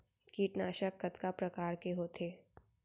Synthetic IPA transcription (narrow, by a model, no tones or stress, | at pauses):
kiːʈnaːʃəkːət̪kapɾɐkaːɾkeɦoːt̪ʰeː